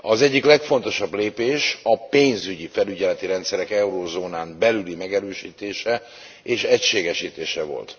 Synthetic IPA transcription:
ɒzɛɟːiklɛkfo̞nt̪o̞ʃɒbleːpeːʃɒpeːnzyɟifɛlyɟɛlɛt̪iɾɛnt̪sɛɾɛkɛuɾoːzoːnaːmbɛlylimɛɡɛɾøːʃiːt̪eːʃɛ | eːʃɛcʃeːɡɛʃiːt̪eːʃɛvo̞̰lt̪

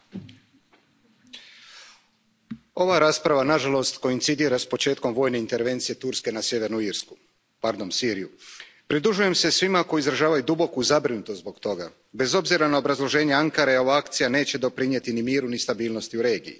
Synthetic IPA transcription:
o̞ʋaɾaːspɾaʋanaʒalo̞st̪ko̞int̪sid̪iːɾaspo̞t͡ʃe̞ːt̪ko̞mʋo̞ːjne̞int̪e̞ɾʋe̞nt̪sije̞t̪uɾske̞nasje̞ʋe̞ɾnuiɾsku̥ | paɾd̪o̞nsiːɾiju | pɾid̪ɾuʒuje̞mse̞sʋimako̞jizɾaʒaːʋajud̪ubo̞kuzabɾinut̪ot̪zbo̞kt̪o̞ɡa̰ | be̞zo̞bziɾanao̞bɾazlˠo̞ʒe̞ːɲeaŋkaɾeo̞ʋaakt̪sijane̞ːt͡ɕe̞d̪o̞pɾiɲje̞t̪inimiːɾunist̪abiːlˠno̞st̪iuɾe̞ːɡḭjḭ

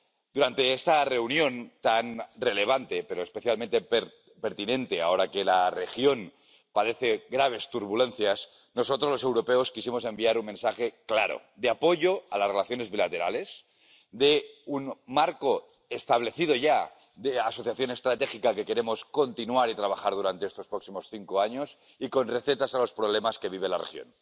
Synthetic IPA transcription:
d̪̥uɾant̪e̞est̪are̞unjõ̞nt̪anre̞le̞β̞ant̪e̞pe̞ɾo̞espe̞θjalmẽnt̪e | peɾt̪inẽ̞nt̪e̞ao̞ɾake̞lare̞xjo̞n | paðe̞θe̞ɣɾaβ̞e̞st̪uɾβule̞nθjas | no̞so̞t̪ɾolose̞wɾo̞peoskisimo̞se̞mbiaɾunme̞nsaxe̞klaɾo̰d̪eapo̞ʝo̞alasrelaθjone̞zβilat̪e̞ɾale̞s | d̪eunmaɾko̞ | est̪aβ̞le̞θiðo̞ʝa | ðeaso̞θjaθjo̞ne̞st̪ɾat̪exikake̞ke̞ɾe̞mo̞sko̞nt̪inuaɾit̪ɾaβ̞axaɾð̞uɾant̪eest̪o̞spɾo̞ksimo̞sθiŋkoaɲo̞s | iko̞nre̞θe̞t̪asalo̞spɾoβlemaske̞βiβ̞elarḛxjo̰n

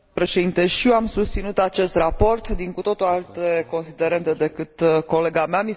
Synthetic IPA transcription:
pɾe̞ʃed̪int̪e̞ʃieamsust̪sinut̪at͡ʃe̞st̪rapo̞rt̪d̪iŋkut̪o̞t̪oalt̪eko̞nsid̪e̞ɾe̞nt̪e̞d̪e̞kɨt̪ko̞le̞ɡameami

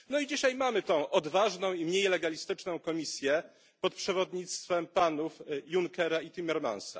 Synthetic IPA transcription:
nɔid͡ʑiɕajmamɘt̪ɔ̃w̃ʔɔd̪vaʐnɔ̃w̃imɲejlɛɡalʲist̪ɘt͡ʂnɔ̃w̃kɔmʲisʲjɛ | pɔt̪pʂɛvɔd̪ɲit̪st̪fɛmpanufjuŋkɛɾait̪ʲimɛɾma̰nsa̰

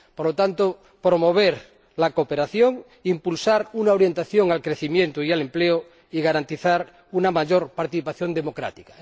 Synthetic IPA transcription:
poɾlot̪ant̪o | pɾomoβ̞eɾ | lakopeɾaθjoŋ | impulsaɾunaoɾje̞nt̪aθjoŋalkɾeθimjẽnt̪oialempleo | iɣaɾant̪iθaɾ | unamaʝoɾpaɾt̪iθipaθjo̞nd̪e̞mo̞kɾa̰t̪ika

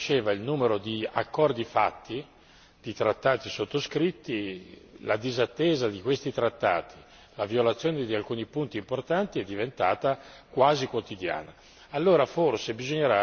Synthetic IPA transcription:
t͡ʃeːvailnuːmeɾod̪ia̰kːɔrd̪ifa̰t̪ːi | d̪̥it̪ɾat̪ːaːt̪isot̪ːoskɾit̪ːilad̪izat̪ːeːzad̪ikwest̪it̪ɾat̪ːa̰ːt̪ʰi̥ | lavjolat̪sːjoːned̪ialkuːnipunt̪iːmport̪ant̪iɛd̪ːivent̪aːt̪akwaːzikwot̪id̪ja̰ːnaː | lːoːɾaforsebizoɲːeɾa

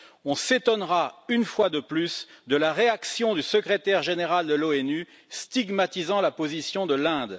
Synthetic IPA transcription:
ɔ̃set̪ɔnʁaynfwad̪əplysd̪əlaʁeaksjɔ̃d̪ysəkχet̪ɛʁʒeneʁald̪əloɛny | st̪iɡmat̪izɑ̃lapozisjɔ̃d̪əlɛ̃d̪

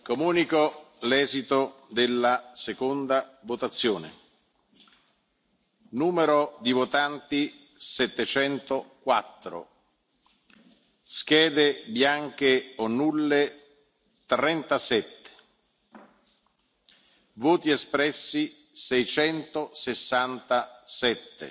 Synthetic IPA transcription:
komuːnikolɛːzit̪od̪elːasekond̪avot̪at̪sːjoːnḛ | nuːmeɾod̪ivot̪ant̪i | sɛt̪ːet͡ʃɛnt̪okwat̪ːɾo̰ | sk̟ɛːd̪ebjaŋk̟eonːulːe | t̪ɾɛnt̪asɛt̪ːe̥ | voːt̪iespɾɛsːi | sɛjt͡ʃɛnt̪osesːant̪asɛt̪ːḛ

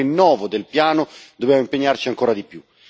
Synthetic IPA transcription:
enːɔːvod̪elpjaːnod̪objamoimpeɲːart͡ʃiaŋkoːɾad̪ipju

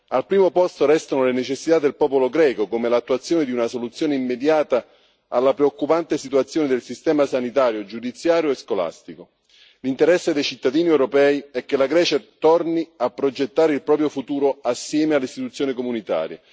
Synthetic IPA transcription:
alpɾiːmopɔst̪oɾɛst̪anolenet͡ʃesːit̪ad̪ːelpɔːpoloɡɾɛːkokomelat̪ːuat̪sːjoːned̪iunasolut̪sjoːneimːed̪jaːt̪a | alːapɾeokːupant̪esit̪uat̪sːjoːned̪elsist̪ɛːmasanit̪aːɾjod͡ʒud̪it̪sːjaːɾjoeskola̰st̪iko | lint̪eɾɛsːed̪ejt͡ʃit̪ːad̪iːniɛwɾopɛːiɛk̟ːelaɡɾɛːt͡ʃat̪ɔrniapːɾod͡ʒet̪ːaːɾeilpɾɔːpɾjofut̪uːɾoasːjɛːmealːeist̪it̪ut̪sːjoːnikomunit̪a̰ːɾjḛ

